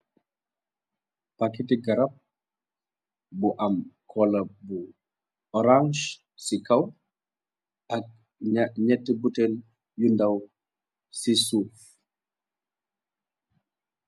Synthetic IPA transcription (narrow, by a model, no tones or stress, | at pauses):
pakitiɡɐɾɐp̚ | buʔɐmkʰɔlɐbu | ɔɾãŋʃ | sikɐw | ʔɐk̚ | ɲɛtːibutel | jundɐw | sisuːf